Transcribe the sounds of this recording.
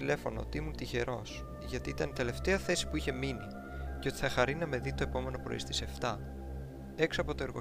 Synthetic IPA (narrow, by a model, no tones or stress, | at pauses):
ile̞fo̞not̪imunt̪içe̞ɾʔo̞s | ʝɐt̪iit̪ɐnt̪e̞le̞ft̪eɐθe̞si̥puiçemini | ceo̞t̪i̥θɐxɐɾinɐme̞ðit̪o̞epo̞me̞no̞pɾo̰ḭst̪i̥se̞ft̪ɐ | e̞ksɐpo̞t̪o̞eɾɣo